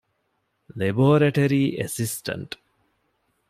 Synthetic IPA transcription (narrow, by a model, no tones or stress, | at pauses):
leboːɾɐʈɐɾiːʔesisʈɐ̰ɳʈ